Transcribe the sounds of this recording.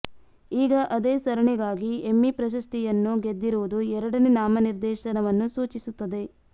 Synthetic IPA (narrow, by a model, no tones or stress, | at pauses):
iːɡɐʔɐd̪eːsɐɾɐɳiɡaːɡiemːipɾɐʃ̬ɐst̪ijɐnːuɡe̞d̪ːiɾuʋud̪uɛɾɐɽɐnenaːmɐniɾd̪ɛːʃɐnɐʋɐnːusuːt͡ʃisut̪ːɐd̪e̞